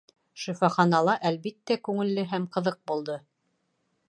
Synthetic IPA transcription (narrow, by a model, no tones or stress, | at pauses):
ʃifɑχɑnɑlˠɑʔælβit̪ːækʉŋɘ̆lːɘɦæmqɤ̆ðɤq̚bulˠd̪ɤ